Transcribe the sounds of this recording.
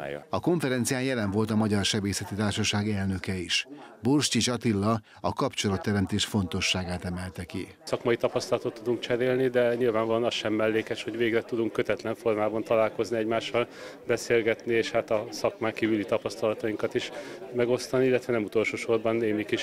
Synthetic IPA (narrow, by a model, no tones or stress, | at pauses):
j̰ɒko̞ɱfɛɾɛnt̪sijaːnjɛlɛɱvo̞lt̪ɒmɒɟɒrʃɛbeːsɛt̪it̪aːrʃɒʃaːɡɛlnø̞kɛiʃborʃt͡ʃiʃɒt̪ilːɒ | ɒkɒpt͡ʃolɒt̪ːɛɾɛmt̪eːʃfo̞nt̪o̞ʃːaːɡaːt̪ɛmɛlt̪ɛki | sɒkmɒjit̪ɒpɒst̪ɒlɒt̪ot̪ːud̪uŋk̚t͡ʃɛɾeːlnid̪ɛɲilvaːɱvɒloːnɒsʃɛmːɛlːeːkɛʃho̞ɟveːɡrɛt̪ud̪uŋkːøt̪ɛt̪lɛɱfo̞rmaːbɒnt̪ɒlaːlko̞zniɛɟmaːʃːɒlbɛseːlɡɛt̪nieːʃhat̪ɒsɒkmaːŋkiːvylit̪ɒpɒst̪ɒlɒt̪ɒjiŋkɒt̪iʃmɛɡo̞st̪ɒniilːɛt̪vʋɛnɛmut̪o̞lʃoːʃo̞rbɒnːeːmikiʃ